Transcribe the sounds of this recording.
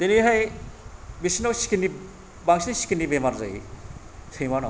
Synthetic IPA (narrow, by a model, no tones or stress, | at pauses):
t̪iniɦaj | bisinɔwsi̥kini | baŋsinisi̥kinibemaɾza̰j | sʰejmanɔ